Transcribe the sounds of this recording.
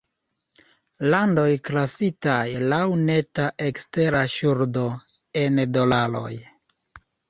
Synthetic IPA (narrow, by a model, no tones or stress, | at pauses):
lando̞jklasitajlawne̞taʔe̞kste̞ɾaʃuɾdo̞ | e̞ndo̞lalo̞̰j